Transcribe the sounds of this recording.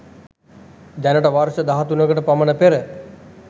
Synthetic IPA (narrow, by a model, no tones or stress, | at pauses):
d̪ænəʈəʋaɾʃəd̪aɦat̪unəɡəʈəpamənəpeɾə